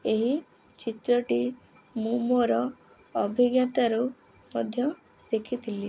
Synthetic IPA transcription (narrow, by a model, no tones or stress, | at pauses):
eɦi | t͡ʃit̪ɾɔʈi | mũmoɾɔː | bʱiɡjat̪aɾu | mɔd̪ʱjɔ | sikʰit̪ʰili